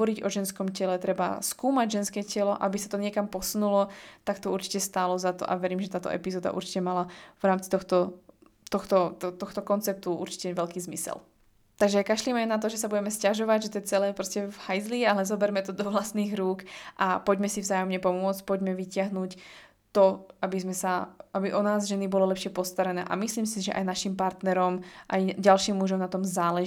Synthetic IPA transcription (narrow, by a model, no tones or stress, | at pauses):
ɔɾiɟɔʒɛnskɔmcɛlɛt̪ɾɛba̰skuːmaɟʒɛnskɛːcɛlɔʔabisat̪ɔɲɪɛkampɔsunulɔt̪akt̪ɔuɾt͡ʃi̥cɛst̪aːlɔzat̪ɔ̰ʔa̰ʋɛɾiːmʒɛt̪aːt̪ɔ̰ʔɛ̰pizɔːd̪a̰ʔṵɾt͡ʃi̥cɛmalavɾaːmt͡si̥t̪ɔxt̪ɔ | t̪ɔxt̪ɔt̪t̪ɔxt̪ɔkɔnt͡sɛp̚t̪uʔṵɾt͡ʃi̥cɛʋɛʎkiːzmisɛ̰l | t̪aɡʒɛkaʃlimajnat̪̬ɔʒɛsabuɟɛmɛscaʒɔʋaɟʒɛt̪ɔjɛt͡sɛlɛːpɾɔscɛvhajzlialɛzɔbɛɾmɛt̪ɔd̪ɔʋlast̪niːɣɾuːkʔapɔɟmɛsivzaːjɔmɲɛpɔmʊɔt͡sc̚pɔɟmɛʋicɪaɦnuːc | t̪ɔʔabizmɛsaʔabiʔɔnaːzʒɛnibɔlɔlɛpʃɪɛpɔst̪aɾɛnɛ̰ːʔa̰misliːmsiʒɛʔa̰jnaʃimpaɾt̪nɛɾɔmʔa̰jɟalʃiːmːuʒɔmnat̪ɔmzaːlɛ